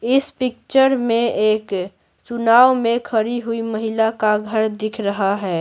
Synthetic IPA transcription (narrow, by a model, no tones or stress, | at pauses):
ɪspɪk̚t͡ʃəɾmẽeːk | t͡ʃʊnaːʋmẽkʰəɾiɦʊiməɦɪlakaɡʱəɾd̪ɪkʰɾəɦaɦɛː